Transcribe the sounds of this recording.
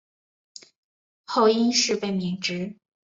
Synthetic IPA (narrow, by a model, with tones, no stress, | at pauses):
xo˥˩ʊi˥nʂɻ̩˥˧pe˥˩ɪmi˧˥ŋʈ͡ʂɻ̩˧˥